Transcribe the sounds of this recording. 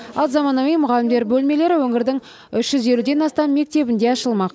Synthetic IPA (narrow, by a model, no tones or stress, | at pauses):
ɑ̰lˠzɑmɑnɑwijmʊʁɑlːɪmd̪e̞ɾbɵlme̞le̞ɾɪwɵŋɪɾd̪ɪŋ | ʏʃʒ̥ʏze̞lud̪e̞nɑst̪ɑmːe̞k̚t̪e̞bɪnd̪e̞ɑʃəlˠmɑq